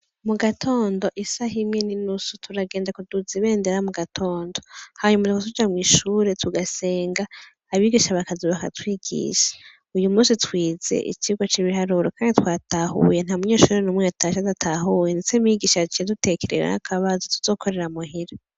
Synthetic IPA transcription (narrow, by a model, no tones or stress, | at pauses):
muɡatʰo̞ːndo̞ʔisaɦimɲininusutʰuɾaɡeːndakuduziβe̞ːndeɾamuɡatʰo̞ːndo̞haɲumatikotud͡ʒamŋiːʃuːɾetʰuɡase̞ːŋɡaː | βiːɡiʃaβakaziβaka̰twiːɡḭʃḁ | ujumuːsitwiːze̞̰ʔḭt͡ʃiɡwat͡ʃiβiɦaɾuɾokaːnditwaːtaɦṵjen̥haːmuɲe̞ːʃuːɾenumŋeatʰaʃadatʰaɦujendet͡semiɡiːʃat͡ʃiedute̞keɾḛwḛha̰kʰaβazotu̥z̥o̞ːkʰo̞ɾe̞ɾamuɦiɾa